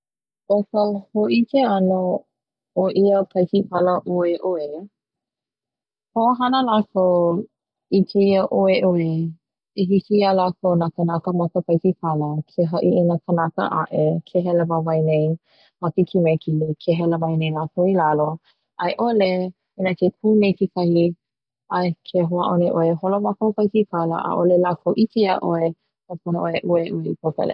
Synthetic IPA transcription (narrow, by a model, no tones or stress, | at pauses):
ʔokəhoʔikʰeɐno | oʔiəpʰɐjkipʰaləʔoeʔoe | hoaɦɐnəlakow | itʰeiəʔoeʔoe | eɦisialakownakənakəmɐkəpʰɐjsipʰalətʰeɦɐʔiʔinəkʰənakə̰ʔa̰ʔekʰeɦɛləmamɐjnej | mɐkikʰimɛkikʰeɦɛləmɐjnejlakowilalo | ʔɐjʔole | inakekʰuːnejkikʰɐhi | ɐkʰeɦoaʔoneʔoeɦolomakopajkikʰalə̰ʔa̰ʔolelakʰowʔitiiaʔoe | kapunoʔoeʔueʔueipʰowkɐ̰lḛ